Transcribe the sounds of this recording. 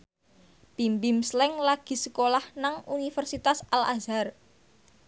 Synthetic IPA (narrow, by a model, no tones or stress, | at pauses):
pimbimslɛŋlaɡ̥i̤səkolahnaŋunifərsit̪asalazar